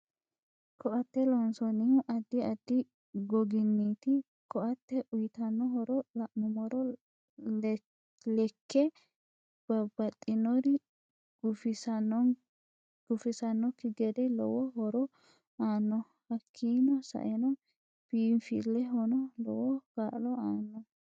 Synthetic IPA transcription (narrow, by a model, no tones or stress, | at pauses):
kɔʔɐt̪ːɛlɔnsɔnɪhʊʔɐd̪ːɪɐd̪ːɪ | ɡɔɡɪnːiːt̪ɪ | kɔʔɐt̪ːɛʔʊjɪt̪ɐnːɔɦɔɾɔlɐʔmʊmɔɾɔ | lɛkʰːɛ | b̥ɐbɐt̪ʼːɪnɔɾɪ | ɡʊfɪsɐnɔ | ɡ̥ʊfɪsɐnːɔkɪɡɛd̪ɛlɔ̰wɔhɔɾɔ | aːnːɔ | hɐkʰːiːnɔsɐ̰ʔɛnɔ | fiːnfɪ̰lːɛɦɔnɔlɔ̰wɔɡ̥aːlɔaːnːɔ